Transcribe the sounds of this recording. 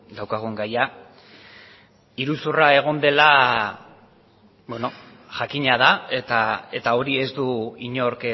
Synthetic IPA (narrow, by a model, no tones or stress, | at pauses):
d̪awkaɣ̞ueŋɡaja | iɾusurae̞ɣ̞o̞nd̪e̞la | beno | ʝakiɲað̞aet̪ae̞t̪ao̞ɾie̞zd̪uiɲoɾke